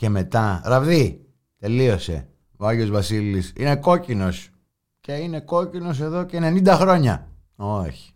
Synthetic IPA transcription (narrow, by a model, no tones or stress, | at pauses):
ce̞me̞t̪ɐɾɐvi | t̪e̞lio̞se̞̰ | oɐʝo̞zvɐsilisine̞ko̞cino̞s | ce̞ine̞ko̞cino̞s̬e̞ðocene̞nind̪ɐxɾo̞ɲɐ | oçi̥